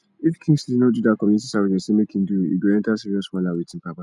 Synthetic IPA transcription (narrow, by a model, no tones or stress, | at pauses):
ifkʰĩŋsdiznodudakʰɔ̃mjunitisaɹid͡ʒɛ̃nsemekʰĩnduḭɡiɛ̃ntasiɹiɔswɔ̃lawitʰĩnpapa